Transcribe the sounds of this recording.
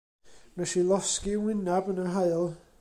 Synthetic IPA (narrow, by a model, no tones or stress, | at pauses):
nɛʃilˠɔskiwɪnabənəɦaɨlˠ